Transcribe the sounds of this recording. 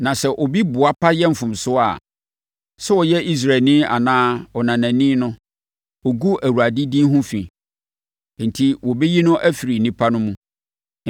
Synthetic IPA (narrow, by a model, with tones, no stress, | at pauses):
nã˨sɛ˨ʔɔ˨bi˦bʊ˨a˦pʰa˦jɛ˦m̩˨fʊ̃˨msʊ˦a̰˨ | sɛ˦wɔ˨jɛ˦i˦s̬ɾa˨nɪ̃˦a̰˨nãː˦ɔ˨nã˨næ̃˨nĩ˦nʊ̃˦ | ɔ˨ɡu˦ʔæ˨wu˨ɾa˨di˦dĩ˦ɦʊ̃˦fḭ̃˨˦ | n̩˨tʰi˦wɔ˨bɛ˦ji˦nʊ̃˦ʔæ˦fi˨ɾi˨nĩ˦pʰa˦nʊ̃˦mũ˦